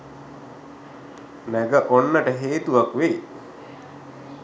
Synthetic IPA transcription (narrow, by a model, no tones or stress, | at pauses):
næɡəʔonːəʈəɦeːt̪uʋakʋej